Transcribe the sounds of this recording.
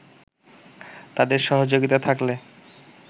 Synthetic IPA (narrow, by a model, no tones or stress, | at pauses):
t̪ad̪eɾʃɔɦod͡ʑoɡit̪at̪ʰakle